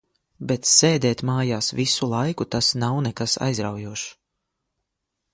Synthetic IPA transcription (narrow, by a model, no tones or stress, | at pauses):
bɛt̪seːd̪ɛːt̪maːjaːsvisulˠajkut̪asnawnɛkasa̰jzɾawjuɔʃ